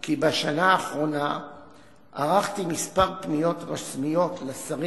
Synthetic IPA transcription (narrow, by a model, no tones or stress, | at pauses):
kibeʃanaːχʁo̞na | ʔa̰ʁaχt̪imispaʁpnijo̞tʁasmijo̞tlesaʁi